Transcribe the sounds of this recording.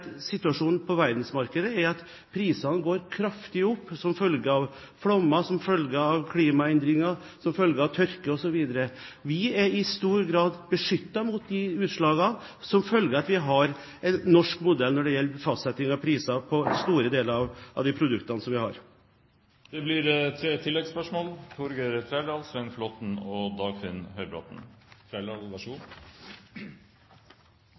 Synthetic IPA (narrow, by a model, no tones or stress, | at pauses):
sɪt̪ːʉɑʂuːnpʰɔʋæɾd̪nsmɑɾkəd̪əæɾɑt̪ | pʰɾiːsɑnəɡoːɾkʰɾɑft̪ɪʊpːsɔmfœlɡəɑʋ | flɔmːɑsɔmfœlɡəɑʋkʰliːmɑɛnd̪ɾɪŋɑ | sɔmfœlɡəɾɑʋt̪ʰœɾkəɔsɔʋiːd̪əɾə | ʋɪæɾɪst̪uːɾɡɾɑːd̪bəʂʏt̪ːɑmʊt̪̚d̪ɪʉːt̪ʂɭɑːɡɑ | sɔmfœlɡəɾɑt̪ʋɪɦɑɾ | ɛnnːɔʂkmʊd̪ɛlnɔɖɛjɛlːəfɑst̪sɛt̪ɪŋɑpʰɾiːsɑpʰɔst̪uːɾəd̪eːləɾɑʋɑ̰ʋd̪ɪpʰɾʊd̪ʉkt̪ɑnəsɔmʋɪhɑ̰ɾ | d̪̥ɛblɪɾt̪ʰɾeːt̪ʰɪlːɛɡspœʂmoːlt̪ʰɔɾɡəɾt̪ʰɾæːləɑlsʋɛnflɔt̪n̩ɔd̪ɑːɡfɪnhœʏbɾɑ̰t̪n̩t̪ʰɾælɑlʋɑʂuːn